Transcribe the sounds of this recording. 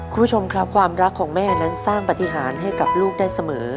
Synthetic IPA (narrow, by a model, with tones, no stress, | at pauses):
kʰu˧mpʰu˥t͡ɕʰo˧mkʰɾa˦˥p̚kʰwaː˧mɾa˦˥kʰːɔː˩˦ŋmɛː˥˩na˦˥nsaː˥˩ŋpa˨˧˩t̪i˧ɦaː˩˦nɦa˥˩jka˨˩p̚luː˥˩k̚daː˥˩jsa˧mɤː˩˦